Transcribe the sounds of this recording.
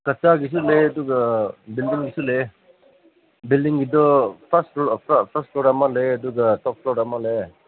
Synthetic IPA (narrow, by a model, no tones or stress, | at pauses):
kɐt͡ʃaɡis̬uled̪uɡbildiŋɡisule | bilɖiŋɡid̪ɔpʰɐsppʰɐsʈpoɾamaled̪uɡtɔp̚pʰɾoɡamale